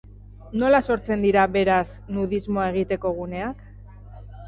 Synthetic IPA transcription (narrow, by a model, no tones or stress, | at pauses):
no̞laso̞ɾt͡se̞nd̪iɾaβe̞ɾas | nuðizmo̞ae̞ɣ̞it̪e̞ko̞ɣ̞une̞ak